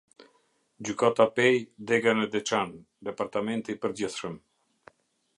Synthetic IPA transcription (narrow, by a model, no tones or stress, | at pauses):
d͡ʑykat̪apɛjd̪ɛɡanəd̪ɛt͡ʃan | d̪ɛpaɾt̪amɛnt̪ipəɾd͡ʑiθʃəm